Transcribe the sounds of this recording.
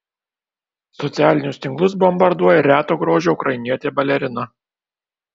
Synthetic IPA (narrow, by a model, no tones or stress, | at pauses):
sɔt̪sʲæːlʲɪnʲʊst̪ʲɪŋklˠʊsbɔmbɐɾd̪uɔjɛɾʲæːt̪oːɡɾoːʒʲoːʊkɾɐjɪnʲiɛt̪ʲeːbɐlʲɛɾʲɪnɐ